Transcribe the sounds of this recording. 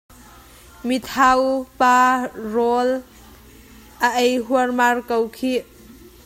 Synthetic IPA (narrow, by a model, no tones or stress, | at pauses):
mit̪ʰawparɔl | ʔəʔejɦuərmarkowkʰiʔ